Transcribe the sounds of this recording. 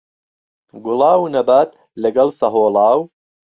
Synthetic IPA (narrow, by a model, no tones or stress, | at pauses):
ɡʊlɑːwnɐbaːt̪ | lɐɡɐlsɐɦoːlɑːw